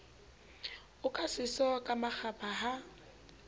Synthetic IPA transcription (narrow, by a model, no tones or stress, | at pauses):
ʊkʼasɪsɔkʼamak͡xapʰʼaɦa